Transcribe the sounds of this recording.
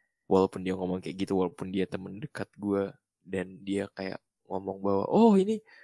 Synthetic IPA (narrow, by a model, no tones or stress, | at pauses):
wʔalawpʊndiaŋɔmɔŋkajaʔɡit̪uwalapʊndiat̪əməndəkat̪̚ɡua | dandiakaja̰ʔ | ŋɔmɔŋbawa̰ʔɔhini